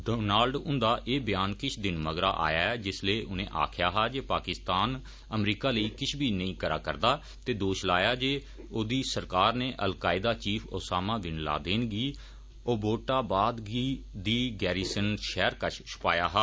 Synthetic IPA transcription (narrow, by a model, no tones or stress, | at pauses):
ɖoːnaːlɖʊnd̪aːʔeːbɪjaːnkɪt͡ʃʰd̪ɪnməɡɾa̰ːʔa̰ːjaːɛːd͡ʒɪsleːʔʊnẽːʔa̰ːkʰjaːɦaːd͡ʒeːpaːkɪst̪aːn | əmɾiːkaːləiːkɪt͡ʃʰbʱiːnəĩːkəɾa̰ːkəɾd̪aː | t̪eːd̪oːʃlaːjaːd͡ʒeː | oːd̪iːsəɾkaːɾneːʔəlkaːɪd̪aːt͡ʃiːpʰo̰ːsaːmãːʋɪnla̰ːd̪eːnɡiː | oːboːʈaːbaːd̪ɡiːd̪iːɡɛːɾiːsənʃɛːɾkət͡ʃʰt͡ʃʰʊ̥paːjaːɦaː